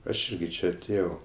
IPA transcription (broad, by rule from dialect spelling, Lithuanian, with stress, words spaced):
ɐʃ ˈɪrʲɡʲɪ ˈt͡ʃʲɛ ɐˈtʲeːjɛʊ